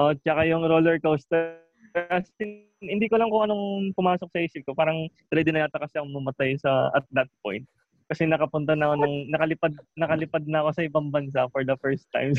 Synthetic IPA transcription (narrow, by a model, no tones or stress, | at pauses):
ʔot͡ʃɐkajʊŋɾolɛɹkowst̪ɛ | pɛɐsɪ | hɪnd̪iːkolɐŋkʊŋɐno̞ŋpʊmaːsok̚sɐʔiːsɪp̚kopaːɾɐŋd̪ɾɛd̪ɪnɐɐt̪ɐkɐsaŋmɐmɐt̪ajsɐɐ̰t̪̚d̪ɐt̪̚po̰jnt̪̚ | kɐsɛnɐkɐpʊnt̪ɐnɐkonɐŋnɐkɐlɪpad̪̚nɐkɐlɪpad̪̚nɐɐko̞sɐʔɪbɐŋbɐns̬afɔɹd̪ɐfɛɹst̪ːa̰jm